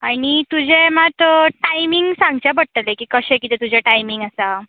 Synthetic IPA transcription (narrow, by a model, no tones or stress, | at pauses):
aɽ̃it̪ud͡ʑʱemat̪əʈajmiŋɡsãŋɡt͡ɕjapəɽ̚t̪əlekiːkəɕẽkit̪et̪ud͡ʑʱeʈajmiŋɡasa